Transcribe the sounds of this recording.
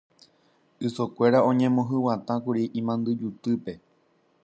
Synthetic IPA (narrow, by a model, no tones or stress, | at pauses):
ɨsokʷe̞ɾaõ̞ɲẽ̞mõɦɨwat̪ãkuɾiʔĩmãnd̪ɨd͡ʒut̪ɨpe̞